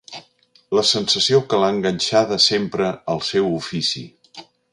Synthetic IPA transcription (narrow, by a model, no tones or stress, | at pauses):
ləsənsəsiokəlaŋɡənʲʃaðəsempɾəəlˠsɛwufisḭ